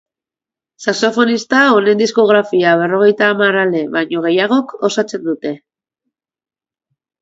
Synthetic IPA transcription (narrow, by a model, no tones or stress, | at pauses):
saso̞fo̞nist̪ao̞ne̞nd̪isko̞ɣ̞ɾafiaβ̞e̞ro̞ɣ̞e̞jt̪aːmarale̞βaɲo̞ɣ̞e̞jaɣ̞o̞ko̞sat͡se̞nd̪ut̪e̞